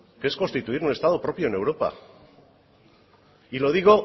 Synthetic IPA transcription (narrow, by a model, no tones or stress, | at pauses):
keeskonst̪it̪uiɾune̞st̪að̞opɾo̞pjo̞ene̞wɾo̞pa̰ | ilo̞ðiɣo̞